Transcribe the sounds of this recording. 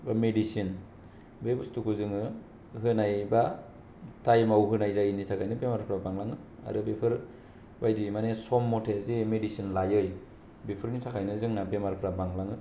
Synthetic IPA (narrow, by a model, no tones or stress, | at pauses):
bamedisin | bebustukuzɯŋɯ | ɦɯnajba | tajmawɦɯnajzajinitʰakʰajnɯbemaɾpʰɾabaŋlaŋɯa̰ɾɯbepʰɯɾ | bajdimanesɔmːɔtʰezemedisinlajɯj | bepʰɯɾnitʰakʰajnɯzɯŋnabemaɾpʰɾabaŋlaŋɯ